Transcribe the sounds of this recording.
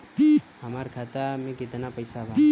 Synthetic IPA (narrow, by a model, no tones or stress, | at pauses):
hɐmaːɾkʰaːt̪amẽkɪt̪napəjsabʱa